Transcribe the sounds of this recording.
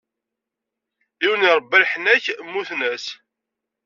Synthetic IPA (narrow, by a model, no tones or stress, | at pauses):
iwniɾˤbːælħnæçmːuθnæs